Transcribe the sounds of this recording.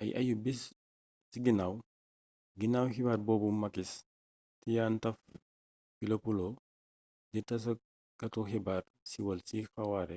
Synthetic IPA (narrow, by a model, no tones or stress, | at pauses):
ʔɐ̰jʔɐ̰jubis | siɡinaːw | ɡinaːwhibaːrbɔːbumːɐkis | tijaːntɐf | filopulo | ditɐs̬ɐ | kɐtuxibaːr | siwɐlsixɐwaɾɛ